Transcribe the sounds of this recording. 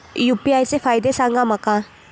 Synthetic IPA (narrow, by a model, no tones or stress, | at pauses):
jupiajsepʰajd̪esaŋɡamaka